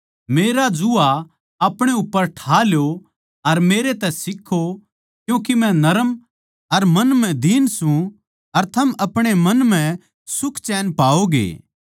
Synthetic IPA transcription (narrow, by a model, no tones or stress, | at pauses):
meːɾad͡ʒʊa | aːpɽ̃eʊpːəɾʈʰaːljo | ɐɾmeːɾet̪ɛsɪkʰːo | kjũːkimɛ̃nɐɾəm | ɐɾmɐnmɛ̃d̪iːnsũ | ɐɾt̪ʰɐmɐpɽ̃emɐnmɛ̃ | sʊkʰt͡ʃɛːnpaːoɡḛː